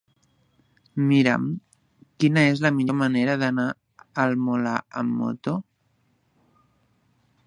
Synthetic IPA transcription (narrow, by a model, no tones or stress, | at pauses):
miɾə̰m | kinəezləmiʎoməneɾəðəna | əlmola̰ə̰mːo̰t̪o